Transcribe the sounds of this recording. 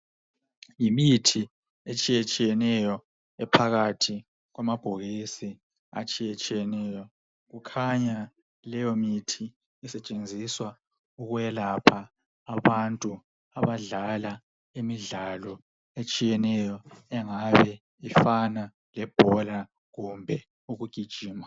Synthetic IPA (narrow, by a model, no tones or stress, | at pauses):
jimitʰi | et͡ʃʼijet͡ʃʼijɛnɛjɔ | ɛpʰaɣatʰi | ɣwamab̥ʱoɣisi | a̰t͡ʃʼijet͡ʃʼijɛnɛjɔ | ɣukʰaɲa | lɛjɔmitʰiː | sɛt͡ʃʼend͡zʱiswa | uɣuβɛlapʰaː | βantʼu | aβaɮala | imiɮalɔ | et͡ʃʼijɛnɛjɔɛŋaβɛ | ifana | lɛb̥ʱɔla | ɣumbʱɛ | uɣuɡ̥ʱid̥ʒ̥ʱiːma